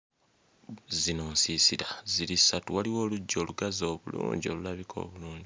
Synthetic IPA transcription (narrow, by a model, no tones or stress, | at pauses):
zinoːnsisiɾazilisatuwaliwo̞ːluɟːoːluɡazo̞ːβulṵːɲɟio̞̰lulaβikʰo̞̰ːβuluːɲɟi